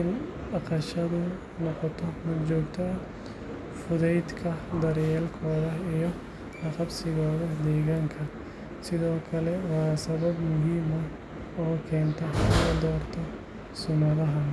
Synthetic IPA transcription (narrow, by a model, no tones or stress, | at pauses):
ɪn | ɑqɐʃɐðʊ | nɔqɔt̪ʰɔmɐt͡ʃɔːɡt̪ʰɐ | fʊðɛjd̪kʰɐd̪ɐɾjɛːlkʰɔːðɐijɔ | ɑqɑbsɪɣɔːðɐd̪ɛːɣaːŋkʰɐ | sɪðɔːkʰɐlɛwɑːsɐβɐbmʊɦiːmɐ | ɔːkʰɛːnt̪ʰɔkɐd̪ɔːrt̪ʰɔ | sʊnɐðɐɦɐ